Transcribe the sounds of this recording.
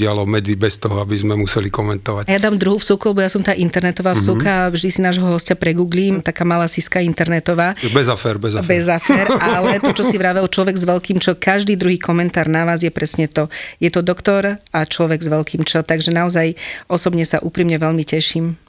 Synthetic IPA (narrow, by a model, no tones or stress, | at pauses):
ɪalɔmɛd͡zibɛst̪ɔɦɔabizmɛmusɛlikɔmɛnt̪ɔʋajad̪aːmd̪ɾuɦuːfsukɔlˠbɔjasɔmt̪aːʔint̪ɛɾnɛt̪ɔʋaːfsukavʒd̪isinaːʒɦɔɦɔscapɾɛɡuːɡliːmt̪akaːmalaːsiskaint̪ɛɾnɛt̪ɔʋaːbɛzafɛɾbɛzabɛzafɛːɾaalɛt̪ɔt͡ʃɔsiʋɾaʋɛlt͡ʃlɔʋɛɡzʋɛlkiːmt͡ʃɔkaʒd̪iːd̪ɾuɦiːkɔmɛnt̪aːɾnaʋaːzjɛpɾɛsɲɛt̪ɔjɛt̪ɔd̪ɔkt̪ɔɾat͡ʃlɔʋɛɡzʋɛlkʰiːmt͡ʃɛt̪aɡʒɛnaɔzajʔɔsɔbɲɛsaʔuːpɾiːmɲɛʋɛʎmicɛʃiːm